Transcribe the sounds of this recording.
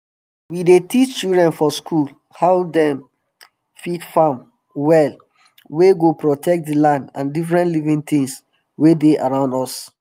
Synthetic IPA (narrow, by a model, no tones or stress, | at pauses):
widetʰit͡ʃt͡ʃildɹɛ̃nfɔskʰul | haʊdɛ̃m | fitfãm | wɛl | weɡopɹɔtʰɛk̚t̚dilãndã̰ndifɹɛ̃ntlivĩŋt̪ĩŋs | wedeʔaɹãʊ̃ndɔs